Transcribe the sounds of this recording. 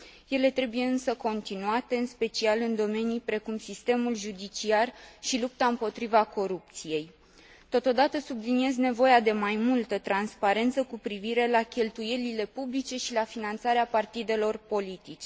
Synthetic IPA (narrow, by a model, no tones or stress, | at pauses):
je̞le̞t̪ɾe̞buje̞ɨnsəko̞nt̪inuat̪e̞ɨnspe̞t͡ʃialɨnd̪o̞me̞nijpɾe̞kumsist̪e̞mulʒud̪it͡ʃiarʃilup̚t̪aɨmpo̞t̪ɾivako̞ɾup̚t̪sije̞j | t̪o̞t̪o̞d̪at̪əsublinie̞zne̞vo̞jad̪e̞majmult̪ət̪ɾanspaɾe̞nt̪səkupɾiviɾe̞lakʲe̞lt̪uje̞lile̞publit͡ʃe̞ʃilafinant̪saɾeapart̪id̪e̞lo̞rpo̞lit̪it͡ʃe